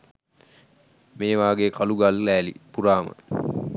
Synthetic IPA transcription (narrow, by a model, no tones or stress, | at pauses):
meːʋaːɡeːkʰaluɡalːæːlḭpuɾaːmə̰